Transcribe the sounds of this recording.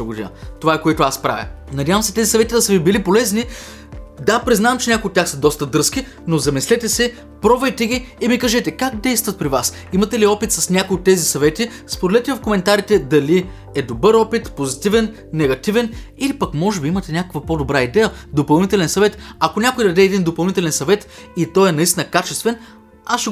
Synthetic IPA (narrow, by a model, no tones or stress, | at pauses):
əɡod̪ḭnə̰t̪ovaɛkoɛt̪ʊaspɾa̰vʲɐ̰nɐd̪ʲavəmsɛ̥t̪ɛzisɐvɛt̪id̪ɐsɐvibilipolɛzni | d̪apɾiznavɐmt͡ʃɛnʲakoʊjot̪ːʲaxsɐd̪ɔst̪əd̪ɤɾskʲi | nozɐmislɛt̪ɛsɛ | pɾɔvɛjt̪ɛɡʲiːmikɐʒɛt̪ɛkak̚d̪ɛjst̪vɐt̪̚pɾivas | imɐt̪ɛliɔpit̪sɐsnʲakojot̪ːɛzisɐvɛt̪i | spod̪ɛlɛt̪ɛvɐfkomɛnt̪aɾit̪ɛd̪ɐli | ɛd̪obɤɾɔpit̪pozit̪ivɛnː | ɛɡɐt̪ivɛnilipɐkmɔʒɛbiimət̪ɛnʲakəkvɐpod̪obɾaid̪ɛjəd̪opɐlˠnit̪ɛlɛnsɐvɛt̪ɐkonʲakojd̪ɐd̪ɛɛːd̪ind̪opɐlˠnit̪ɛlɛnsɐvɛt̪it̪ɔjɛnɐist̪inəkat͡ʃɛst̪vɛn | asʃɛ